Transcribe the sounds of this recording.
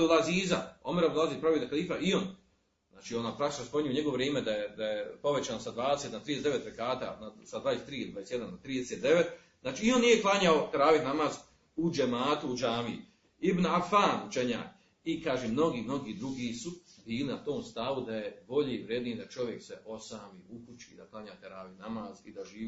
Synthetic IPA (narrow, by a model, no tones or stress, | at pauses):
laziːzao̞meɾablaziːzpɾaʋiːd̪akalˠiːfaʔio̞n | naːt͡ʃiːonapɾakt̪it͡ʃnospoɲujuɲeɡo̞ʋoʋɾjeːmed̪ajed̪ajepo̞ʋe̞t͡ʃaːnosad̪ʋaːd̪eset̪nat̪ɾid̪esd̪eet̪ɾekaːt̪a̰ːnasad̪vad̪eset̪ɾiːilid̪aesjed̪anat̪ɾiːd̪eset̪d̪e̞ʋet̪ | znaːt͡ʃiːio̞nːije̞klˠaːɲaok̪ɾaːʋiknamaz | ud͡ʒemaːt̪uud͡ʒaːmi | ibnafaːnut͡ʃe̞ɲa̰ːk | ikaːʒemno̞ɡiːmno̞ɡiːd̪ɾuɡiːsubiːlinat̪o̞ːmst̪aʋud̪aje̞bo̞ʎeiʋɾjeːd̪niːd̪at͡ʃo̞ʋjekse̞ʔo̞saːmiːukut͡ʃḭd̪aklˠaɲaːt̪eɾaːʋinamaːzid̪aʒiː